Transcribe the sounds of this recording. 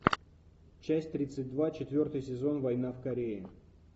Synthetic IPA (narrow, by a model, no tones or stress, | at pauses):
t͡ɕæsʲtʲt̪ɾʲit̪sɨt̚ʲd̪vat͡ɕɪt̪vʲo̞rt̪ɨjsʲɪzo̞nvɐjnafkɐɾʲeɪ